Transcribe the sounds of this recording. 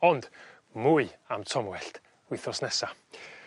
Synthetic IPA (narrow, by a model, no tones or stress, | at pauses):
ɔnd̥ | mʊɨamtʰɔmwɛɬt | wɪθɔsnɛsa